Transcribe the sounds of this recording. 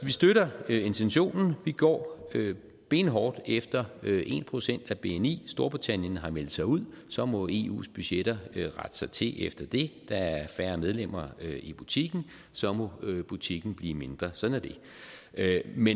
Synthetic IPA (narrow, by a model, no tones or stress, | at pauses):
ʋisd̥øɾɐe̝nt͡sʰenɕo̝̰ːnn̩ʋiɡ̥ɒ̰ːø | b̥e̝̰ːnɦɒːd̥efd̥ɐøʔe̝̰npʰʁo̝sen̰d̥æb̥e̝enḭːsd̥o̝ɐb̥ʁit͡sʰæn̰jənɦɑ̈mel̰d̥̩sɑ̈ɪuð̰ˠ | sɒ̽mɒ̽e̝ṵːsb̥yɕeɾɐʁad̥sɑ̈ɪt͡sʰe̝ʔefd̥ɐd̥e̝d̥ɑ̈æɐfæːɐmeð̞ˠlem̰ɐøib̥ut͡sʰiɡ̥n̩ | sɒ̽mɔ̽b̥ut͡sʰiɡ̥n̩b̥lḭːme̝nd̥ʁɐsɒ̽d̥næɐd̥e̝ | me